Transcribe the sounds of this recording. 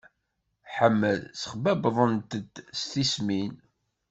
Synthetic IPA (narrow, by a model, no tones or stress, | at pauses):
ħəmːəlsə̥χbæbðˤənt̪əd̪st̪ismin